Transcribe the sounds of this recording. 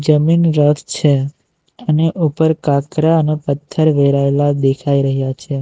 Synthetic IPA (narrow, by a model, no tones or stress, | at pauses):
d͡ʒəminɾət̪ʰt͡ʃʰe | əneʔupəɾkakɾaənepət̪ʰːəɾʋeɾaelad̪ekʰaiɾəɦjat͡ʃʰe